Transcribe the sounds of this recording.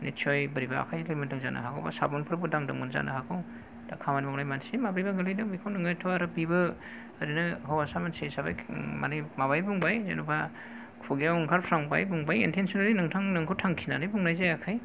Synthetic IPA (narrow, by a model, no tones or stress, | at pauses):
nit͡ʃʰɔjbɯɾiba̰ːkʰajlɯjmindɯŋza̰nʔɯ̰ɦakʰa̰wba̰sa̰bɔnpʰɯɾbɯdaŋdɯŋɯnza̰nɯ̰hakʰaw | d̥akʰamanimamlajmansemabɾibaɡɯlajdɯŋbikʰawnɯŋajtʰɔaɾɯbibɯː | ɾinɯɦawasamansejsaba̰jma̰nɯjmaβajbuŋbajza̰nubʰa | kʰuɡijawŋkʰaɾpʰɾaŋba̰jbuŋbajintʰensɔnaɾinɯŋtʰaŋnɯŋkʰɯwtʰaŋkʰinanɯjbuŋnajzajakʰaj